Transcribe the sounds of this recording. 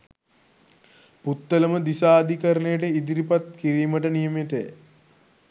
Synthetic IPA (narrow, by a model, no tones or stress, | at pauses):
put̪ːələməd̪isaːd̪ikəɾənejəʈəid̪iɾipat̪kiɾiːməʈənijəmit̪ej̰